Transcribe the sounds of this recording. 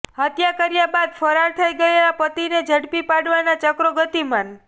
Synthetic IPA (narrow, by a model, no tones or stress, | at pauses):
ɦət̪jakəɾjabad̪fəɾaɾt̪ʰəiɡəelapət̪ined͡ʒʱəɽpipaɽʋanat͡ʃəkɾoɡət̪iman